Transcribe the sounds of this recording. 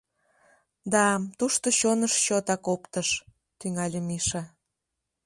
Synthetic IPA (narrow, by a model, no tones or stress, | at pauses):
d̪ɑmt̪uʃt̪oɕonəʃɕot̪ɑkopt̪əʃ | t̪yŋɑlʲəmiʃɑ